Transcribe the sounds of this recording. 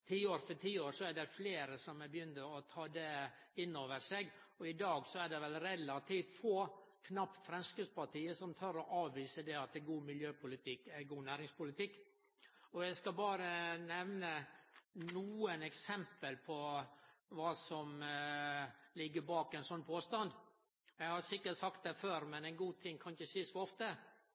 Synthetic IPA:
t̪ʰiːoːɾfɔʈʰiːoːɾsɔæɖɛfleːɾəsɔmɛbəjʏnːəɔt̪ʰɑːd̪ɛɪnːoːʋəɾʂeɡɔɪd̪ɑːɡsɔæɖɛʋɛlɾɛlɑt̪ʰiːft̪foːkʰnɑpt̪fɾɛmskəspɑʈiːəsɔmt̪ʰœɾɔʔɑːʋʋiːsəd̪ɛɑt̪d̪ɛɡuːmɪljøːpʰʊlɪt̪ʰɪkːæɾɡuːnæːɾɪŋspʊlɪt̪ɪkː | ɔjæɪskɑbɑːɾənɛʋnə | nuːənɛksɛmpəlpʰɔ | ʋɑːsɔm | lɪɡːəbɑːkɛɪnsɔnːpʰoːst̪ɑnd̪ | jæɪhɑsɪkːəʈsɑkt̪̚d̪ɛføːɾmɛnɛɪnɡuːt̪ʰɪŋːkʰɑnçəsiːsɔɔft̪ə

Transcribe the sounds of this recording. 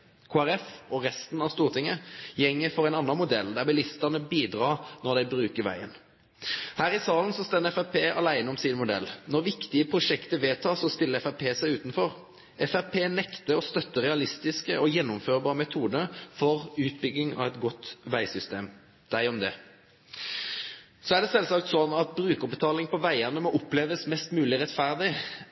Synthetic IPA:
kʰoːæɾɛfɔʁɛst̪nɑʋst̪uːʁt̪ʰɪŋːəjɛŋːəfɔʁæɛɪnɑnːɑnmʊd̪ɛld̪æʁbɪlɪst̪ənəbiːd̪ʁɑːʁnɔd̪æɪbɾʉːkəʁʋæ̰ɪən | hæːʁɪsɑːlən̩sɔst̪ɛnːəɛfæpʰeːɑ̰læɪnəɔmsinmʊd̪ɛ̰lːnɔʁʋɪkt̪ɪəpʰɾʊʂɛkt̪əʋeːt̪ʰɑːsɔst̪ɪlːəɾɛfæpʰeːsæɪʉːt̪nfɔʁ | ɛfæʁpʰeːnɛkt̪əɔst̪œt̪ːəʁɛɑlɪst̪ɪskəʔɔjɛnːʊmføːʁbɑːʁəmɛt̪ʰuːd̪əfɔʁʉːt̪bʏɡ̪ːɪŋɑ̰ʋɛt̪ɡɔt̪ːʋæɪsʏst̪eːm | d̪̥æɪɔmd̪ɛ | sɔæʁd̪ɛsɛlsɑk̚t̪sɔnːɑt̪̚bɾʉːkəbət̪ʰɑːlɪŋpɔʋæɪənəmɔʔʊpleːʋəsmɛst̪mʉːlɪʁɛt̪fæʁd̪ɪ

